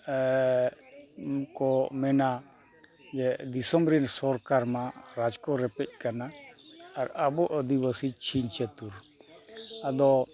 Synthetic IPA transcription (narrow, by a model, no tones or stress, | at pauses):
kɔmɛna | d͡ʒɛd̪isəmɾinsɔɾkaɾmãɾad͡ʒkɔɾɛpɛc̚ˀkanaː | ɾabɔʔəd̪ibasit͡ʃʰint͡ʃet̪uɾ | ad̪ɔ